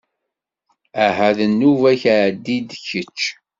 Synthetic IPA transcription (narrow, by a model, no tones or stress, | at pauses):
æhæðənːuvæçaʕd̪ːid̪çət͡ʃː